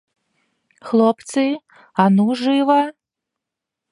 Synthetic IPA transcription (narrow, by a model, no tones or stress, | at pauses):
xlˠɔpt̪sɨ | anuʐɨvɐ